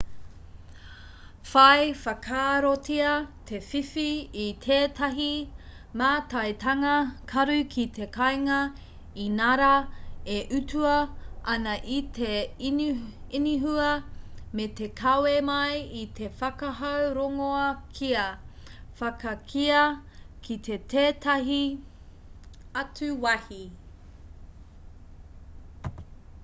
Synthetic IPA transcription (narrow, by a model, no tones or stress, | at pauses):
fɐjfɐkʰaːɾotʰiɐtʰefifiːt̪ʰeːtʰɐɦi | maːtɐjtʰɐŋɐkʰɐɾʉkʰit̪ʰe̞kʰɐjŋɐ | inɐɾaeʔʉtʰuɐʔɐnɐʔite | iniɦuɐmet̪e̞kʰɐwemɐjit̪ʰe̞fɐkɐɦɐwɾoŋoɐkʰiɐ | fɐkɐkʰiɐkʰit̪ʰe̞tʰeːtɐɦi | ɐtʉwɐhi